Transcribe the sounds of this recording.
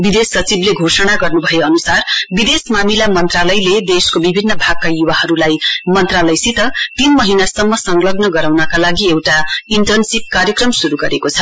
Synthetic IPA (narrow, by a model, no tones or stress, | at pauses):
bid̪esːʌt͡sibleɡʱosʌɽ̃aɡʌrnubʱʌjeʌnusarbid̪esmamilamʌnt̪ralʌjled̪eskobibʱinːʌbʱaɡ̚kajubahʌɾulajmʌnt̪ralʌjsit̪ʌt̪inmʌɦinasʌmːʌsʌŋlʌɡnʌɡʌɾawnʌkalaɡiewʈaiɳʈʌrnsip̚kaɾjʌkrʌmsuɾuɡʌɾekot͡sʰʌ